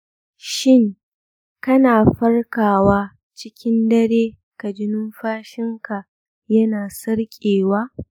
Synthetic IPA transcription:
ʃɪ˦˨ŋ | kɐ˦naː˨ɸɐ˦rkaː˨waː˦ | t͡ʃɪ˦kʲɪ˦ndɐ˦ɽeː˦ | ka˨d͡ʒɪ˦nʊ˦mɸaː˦ʃɪ˦ŋka˨ | jɐ˦naː˨sɐ˦rkʲʼeː˨waː˦

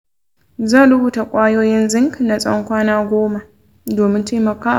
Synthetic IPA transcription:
za˦˨ɾʊ˦buː˨ta˨kʷʼaː˦joː˦jɪ˦nzɪ˦ŋkna˨sʼɔ̰˦ŋkʷaː˦naː˦ɡʷoː˦ma˨ | doː˨mɪ˦ntʰeː˦mɐ˨ka˦

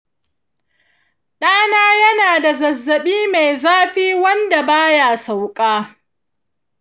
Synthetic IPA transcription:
ɗaː˦naː˦jɐ˦naː˨da˨zɐ˨zːɐ˨ɓiː˦me˨jzaː˦ɸiː˦wɐ˦nda˨baː˦ja˨sa˨wkʼaː˦

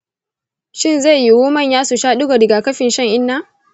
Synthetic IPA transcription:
ʃɪ˦˨nza˦˨jji˦wʊː˦mɐ˦˨ɲjaː˦su˨ʃaː˦ɗʊ˦ɡa˨dɪ˨ɡa˨kɐ˦ɸɪ˨nʃɐ˦˨ŋʔɪ˦nːa˦

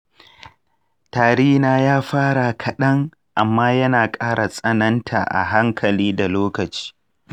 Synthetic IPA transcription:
taː˨ɽɪ˦hnaː˦jaː˦ɸaː˦ɽa˨kʰɐ˨ɗɐ˦ŋ | ʔa˨mːaː˦jɐ˦naː˨kʼaː˦ɽa˨sʼɐ˦nɐ˦ntʰa̰˨ʔa̰˨ɦa˦ŋkʰɐ˨liː˦da˨loː˦kɐ˨t͡ʃi̥ː˦

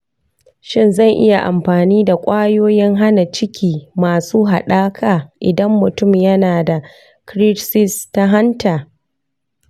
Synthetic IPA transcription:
ʃɪ˦˨nzɐ˦˨ŋʔɪ̰˦ja˨ʔa̰˨mɸaː˨niː˦da˨kʷʼaː˦joː˦jɪ˦ŋɦa˦na˨t͡ʃɪ˦kʲʰiː˨maː˨suː˦ɦa̰˨ɗaː˦kʰaː˨ʔɪ˨dɐ˦mːʊ˨tʊ˦˨mjɐ˦naː˨da˨ | kɾɪ˦sɪ˦sta˦ɦa˦ntaː˨

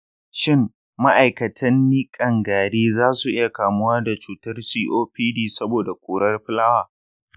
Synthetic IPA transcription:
ʃɪ˦m | ma˦ʔa˨jkɐ˨tʰɐ˦nːiː˦kʼɐ˨ŋɡaː˨ɽeː˦zaː˦su˨ʔɪ˦ja˨kaː˨mʊ˦waː˦da˨t͡ʃuː˨tɐ˦rsiː˦ʔoː˦ɸiː˦diː˦sɐ˦boː˨da˨kʷuː˨ɽɐ˦rɸɪ˦laː˦waː˨

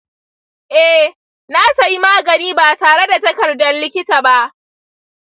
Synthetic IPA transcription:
ʔɛ˦ | naː˦sa˨ji˦maː˦ɡɐ˨niː˦ba˨taː˨ɽe˦da˨tɐ˦kɐ˨rdɐ˦nlɪ˦kʲɪ˦taː˨ba˦ʔ

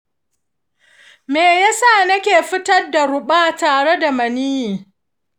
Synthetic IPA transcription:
meː˨ja˦saː˦˨nɐ˦kʲeː˨ɸɪ˦tɐ˦rda˨ɽʊ˨ɓaː˦taː˨ɽe˦da˨mɐ˨niː˦˨

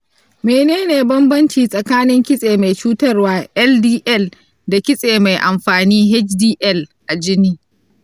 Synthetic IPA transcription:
meː˨neː˦neː˨bɐ˦mbɐ˦nt͡ʃiː˨sʼɐ˨kaː˦nɪ˦ŋkʲɪ˦sʼeː˨ma˨jt͡ʃuː˦tɐ˦rwaː˦ʔɛ˦ldiː˦ʔɛ˦˨l | da˨kʲɪ˦sʼeː˨ma˨jʔa˨mɸaː˨niː˦ɦɛ˦t͡ʃdiː˦ʔɛ˦˨lʔa˨d͡ʒɪ˦niː˦

